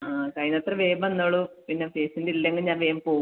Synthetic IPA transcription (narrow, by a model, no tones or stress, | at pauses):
aːkɐjnɐt̪rɐʋeːbɐnːoːɭupinːefeːsindilːeŋɡiɲaːnʋeːmpo̞ːu